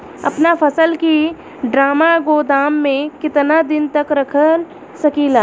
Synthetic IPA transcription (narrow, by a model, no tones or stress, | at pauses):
ɐ̰pnapʰɐsəlki | ɖɾaːmaɡoːd̪aːmːẽkɪt̪nad̪ɪnt̪ɐkɾɐkʰəl | sɐkiːlaː